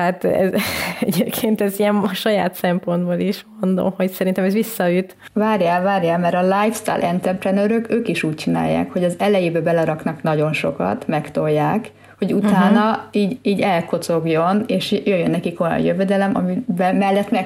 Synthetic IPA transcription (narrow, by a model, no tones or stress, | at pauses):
hat̪ɛ̰zɛ̰ɟeːpkʰeːnt̪ɛziɛmʃɒjaːt̪sɛmpo̞nd̪boːliʃmo̞nd̪o̰mho̞csɛɾint̪ɛmɛzʋisːɒyt̪ | vaːɾjaːlvaːrjaːlmɛɾɒlajfst̪a̰ːlʔɛnt̪ɛmpɾɛnøɾøkøːkiʃuːc̚t͡ʃina̰ːjːa̰ːkho̞ɟɒzɛlɛjeːbɛbɛlɛɾɒknɒknɒɟo̞nʃo̞kɒ̰t̪mɛkt̪o̞jːaːk | ho̞ɟut̪aːnɒiːɟiːɟɛlko̞t̪so̞ɡjo̞neːʃjøjːønːɛkiko̞jɒ̰njøvɛd̪ɛlɛmɒ̰mibɛmɛlːɛt̪mɛ